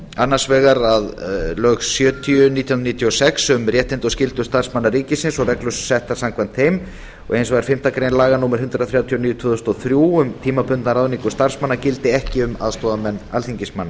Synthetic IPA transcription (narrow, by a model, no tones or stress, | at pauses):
anːḁsvɛːɣaɾaðlœɣsjœːt̪ʰiʏnit̪ijhunniːt̪ʰiɔsɛksʏmrjɛht̪ɪnt̪ɔscɪlt̪ʏst̪aɾ̥smanːaɾiːcɪsɪnsɔɣrɛklʏssɛht̪aɾ̥samkʰvant̪hejm | ɔ̰ɣʔejnsvaɾ̥fɪm̥t̪akɾeːjnlaːɣanuːmaɾhʏnt̪ɾaθɾjawt̪ʰiɔniːjʏt̪ʰʏːðʏst̪ɔθɾjuːʏmt̪ʰiːmapʏnt̪naɾaːðʏniŋkʏst̪ar̥smanːacɪlt̪ɪɛhcɪʏma̰ðst̪ɔːðamɛnːalθiɲcɪsmanːa